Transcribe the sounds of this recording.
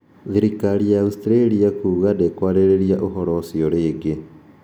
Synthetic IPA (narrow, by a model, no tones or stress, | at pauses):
ðiɾikaɾijaustɾeɾiakuːɣadekwaːɾeɾeɾiaʔoɦɔɾɔsjɔɾeːɡe